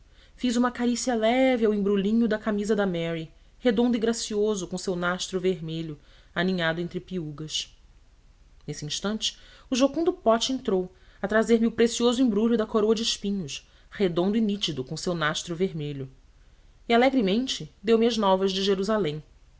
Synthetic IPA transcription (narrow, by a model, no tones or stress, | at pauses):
fizũmɐkaɾisiɐlɛvɪawẽbɾulĩɲʊd̪ɐkamizɐd̪ɐmɛɾi | hed̪õnd̪ʊiɡɾasiozʊkõʊsewnaʃt̪ɾʊveɦmeʎʊ | anĩɲad̪ʊẽnt̪ɾɪpiuɡɐs | nesɪĩʃt̪ɐ̃nt͡ʃɪ̥ʊʒokõd̪ʊpɔt͡ʃɪẽnt̪ɾow | ɐt̪ɾazeɾmɪʊpɾesiozʊĩbɾuʎʊd̪ɐkoɾowɐd͡ʒɪiʃpĩɲʊʃ | hed̪õnd̪ʊinit͡ʃid̪ʊkõsewnaʃt̪ɾʊveɾmeʎʊ | ialɛɡɾimẽnt͡ʃɪd̪ewmiɐznɔvɐzd͡ʒɪʒeɾuzalẽj̃